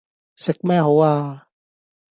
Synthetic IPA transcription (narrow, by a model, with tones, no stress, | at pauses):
sɪ˨k̚mɛ˦˧ɦo˨˦aː˧